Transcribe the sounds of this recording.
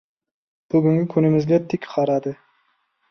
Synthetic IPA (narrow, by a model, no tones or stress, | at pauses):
b̥ʊɡʲyŋɡʲɪkʲʰɵnɪmɪzɡʲɛt̪ʰːɪkʲqʰɑɾɑd̪ɨ